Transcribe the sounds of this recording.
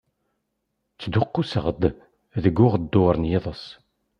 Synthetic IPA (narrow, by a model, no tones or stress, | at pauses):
t͡sːd̪ʊqːusə̰ʁd̪ | ðəɡːʊʁd̪ːʊɾˤənjɪðˤəs